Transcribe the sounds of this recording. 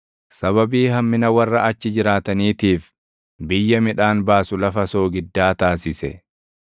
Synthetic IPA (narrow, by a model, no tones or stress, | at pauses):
sɐβɐbiːhɐmːɪnɐwɐrːɐʔɐt͡ʃːɪd͡ʒɪɾaːt̪ɐniːt̪iːf | bɪjːɐmɪᶑaːnbaːsʊlɐfɐso̞ːɡɪd̪ːaːt̪aːsɪsɛ̰